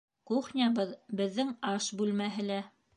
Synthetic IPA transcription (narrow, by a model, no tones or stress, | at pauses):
quχnʲɑbɤðbɘ̆ðːɘŋɑʃbʉlmæɦɘ̆læ